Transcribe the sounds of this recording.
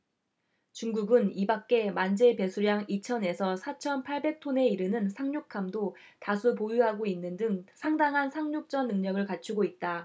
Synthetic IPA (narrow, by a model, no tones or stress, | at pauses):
t͡ɕuŋɡuɡɯnibak̚k͈e̞mand͡ʑe̞pe̞sʰuɾjaŋit͡ɕʰʌne̞sʰʌsʰat͡ɕʰʌnpʰaɭbe̞k̚tʰone̞iɾɯnɯnsʰaŋɲokʰamdo | tasʰupojuɦaɡoinːɯndɯŋsʰaŋdaŋɦansʰaŋɲok̚t͡ɕ͈ʌnːɯŋɲʌɡɯɭkat͡ɕʰuɡoit̚t͈a